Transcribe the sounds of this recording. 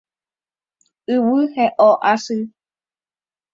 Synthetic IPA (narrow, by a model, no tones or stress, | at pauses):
ɨwɨheʔoʔasɨ